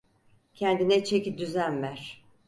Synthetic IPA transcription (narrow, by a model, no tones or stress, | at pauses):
cʰɛnd̪inɛt͡ʃʰecid̪yzænmæɾ̥